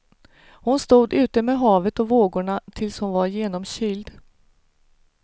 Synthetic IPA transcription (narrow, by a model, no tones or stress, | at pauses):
hʊnst̪uːd̪ʉ̟ːt̪əmeːɦɑːvət̪ɔvoːɡʊɳat̪ʰɪlshʊnvaɾjeːnɔmɕʏld̪